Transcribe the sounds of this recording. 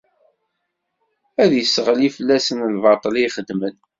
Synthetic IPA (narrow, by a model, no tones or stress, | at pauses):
æðjəsːəʁlifəlːæsənlvɑt̪ˤliχəd̪mən